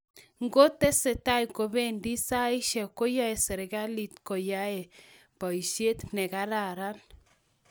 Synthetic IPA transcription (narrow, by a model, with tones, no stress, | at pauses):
ŋɡo˦tɛ˦se˨ta˦jko˨be˦ndi˦sa˦i˦ʃɛ˨ko˦ja˦e˨sɛ˨ɾe˨ɡa˦li˨t̪ko˨ja˦e˨ | bɔ˨i˨ʃe˦t̪nɛ˨ka˦ɾa˨ɾa˦n